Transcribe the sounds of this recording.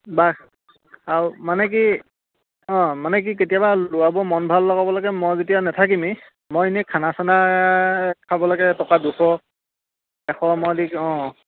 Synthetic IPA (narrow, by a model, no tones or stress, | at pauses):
bak | aɹumanɛk̬i | ɔ̃manɛk̬ik̬etijabalʊwabɔmɔnbʱalːɔɡabɔlɔɡɛmɔjzetijanɛtʰak̬imi | mɔjinɛkʰanasana | kʰabɔlaɡɛtɔkaduxɔ | ɛxɔmɔdikɔ̃